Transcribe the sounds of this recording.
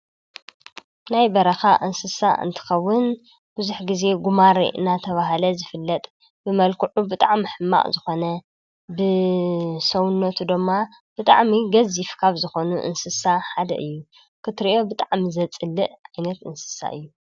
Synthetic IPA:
najbɐɾɐxaʔɨnsɨsa̰ʔɨ̰nt̪ʰɨ̥xɐwːʊn | b̥ɨzuħɡize̞ɡumaɾḭɨ̰nat̪ʰɐβaɦɐlɐzɨfɨlːɐt̪ʼ | bɨmɐlkʰuʕubɨt̪ʼaʕmɨħɨmːa̰ʔʼzɨxo̞nɐ | bɨ | sɐwʊnːɐt̪ʰud̪ɨmːa | b̥ɨt̪ʼa̰ʕmiɡɐzifkʰaβzɨxo̞nuʔɨ̰nsɨsaħad̪ɐ̰ʔɨjːu | kʰɨt̪ɨɾiʔo̞bɨt̪ʼaʕmizɐt͡sʼɨlːɨʔʔajnɐt̪ɨnsɨ̥sa̰ʔɨ̰jːu

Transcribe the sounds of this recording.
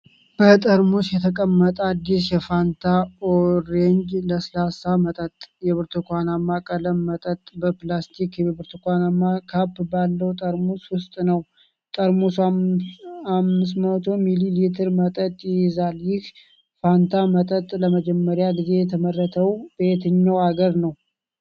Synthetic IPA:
b̥ət̪ʼəɾmusjɛt̪ʰəkʼəmːət̪ʼəad̪ːisjɛfant̪ʰaoɾeɲd͡ʒləslasamət̪ʼət̪ʼjɛβɨɾt̪ʰukʷanamːakʼələmːət̪ʼət̪ʼbəplast̪ʰikjβɨɾt̪ʰukʷanamːakʰapːbalːəwt̪ʼəɾmuswʊst̪ʼnəw | t̪ʼəɾmus | amːɨs̬mət̪ʰo̞mililit̪ʰəɾmət̪ʼət̪ʼjɪzaljɪh | fant̪ʰamət̪ʼət̪ʼləməd͡ʒɛmːəɾjaɡize̞jɛt̪ʰəmərːət̪ʰəwb̥əet̪ʰəɲːawaɡəɾnəw

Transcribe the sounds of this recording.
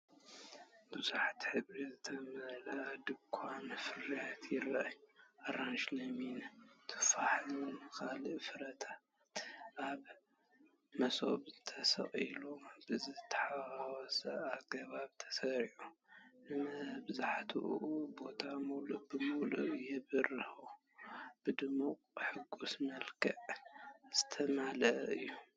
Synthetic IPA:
bɨzuħat̪ħɨβɾizɨt̪ʰɐmɐlɐad̪ɨkʷʰamɨfɨrat̪ʰjɪɾɐʔajuʔaɾanʃlɐmint̪ʰɨ̥faħlunɨkʰalɨʔfɨɾɐt̪ʰa | t̪ʔaβ | mɐso̰βzɨt̪ʰɐsɐ̰χʼilobɨzɨt̪ʰːɐ̥ħaawɔsɐ̰aβɡɐβaβt̪ʰɐ̥sɐɾʕu | mɐbɨzaħt̪ʰṵʔʔubo̞t̪ʰamuluʔb̥ɨmuluʔjɛβɨrɨhu | b̥ɨd̪ɨmuqʼħɨɡːusmɐlkʰɐʔz̥ɨt̪ʰɐmalɐʔɨjːu

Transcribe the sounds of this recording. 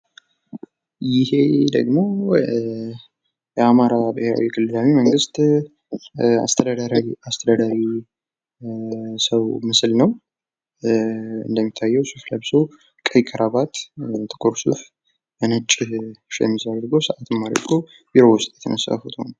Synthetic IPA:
jɪhe̞d̪ə̰ɡmo̞ | jɛamaɾabɨheɾa̰wikʰɨlːɨlawiməŋɡɨst̪ | a̰st̪ʰəd̪ad̪aɾast̪ʰəd̪ad̪aɾi | səwmɨslnəw | ɨ̰nd̪əmːit̪ʰːajːɛwsuflajbso | kʼəjkʰəɾaβat̪t̪ʰɨ̥kʼoɾsuf | bənɨt͡ʃʼːɪʃjɛ̰mːizad̪ɾɡowsəʔat̪ʰɨmːad̪ɾɾkʰo | biɾo̞wʊst̪ʼjɛt̪ʰənəsa̰fut̪ʰho̰n

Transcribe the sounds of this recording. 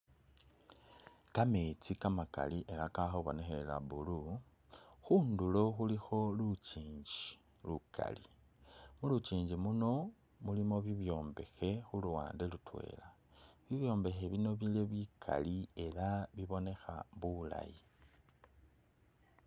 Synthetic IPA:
kame̞t͡sikamaka̰liʔe̞lakaxoβo̞̰ne̞xe̞la̰βulu | xuːndulo̞xulixo̞lut͡ʃiːɲɟi | lukʰa̰li | mulut͡ʃiːɲd͡ʒimuno̞ | mulimo̞βiβjo̞ːmbe̞xe̞xuluwa̰ːndelutwe̞̰ːlaβiβjo̞ːmbe̞xe̞βino̞βile̞βikʰa̰lie̞laβiβo̞ne̞xa̰βula̰ji

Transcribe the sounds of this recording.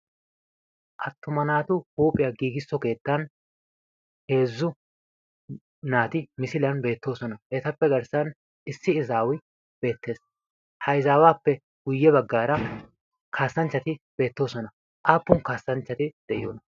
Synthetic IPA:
ʔɐt̪ːʊmɐnaːt̪ʊhuːpʼɪjaɡiːɡɪsːɔke̞ːt̪ːɐn | he̞ːzːʊ | naːt̪ɪmɪsɪlɐnbe̞ːt̪ːo̞ːsɔnɐʔɛt̪ɐpːɛɡɐɾsɐn | ʔɪsːɪɪzaːwɪ | b̥e̞ːt̪ːe̞ːs | hɐjzaːwaːpːɛ | ɡ̥ʊjːɛbɐɡːaːɾɐ | kʰaːsːɐnt͡ʃːɐt̪ɪb̥e̞ːt̪ːo̞ːsɔnɐ | ʔaːpːʊnkaːsːɐnt͡ʃːɐt̪ɪd̪̥ɛʔɪ̰jo̰ːnɐ

